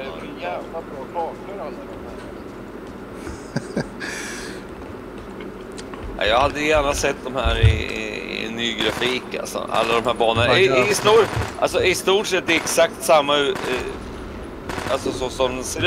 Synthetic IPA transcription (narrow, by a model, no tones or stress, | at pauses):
jæːvlabɾɔːb̪ʰɑːkəɾalːad̪ɔmhæːɾ | a̰jɑːɡhad̪ːəjæːɳasɛt̪̚ːd̪ɔmhæːɾɪ̰ɪ̰nːyːɡɾafiːka̰lsɔ̰a̰lːad̪ɔmhæːɾbɑːnənaɪst̪uːʔa̰ls̬ɔɪst̪uːʈʂɛt̪̚ːd̪ɛɛksak̚t̪samːa | alsɔsɔsɔmseɾ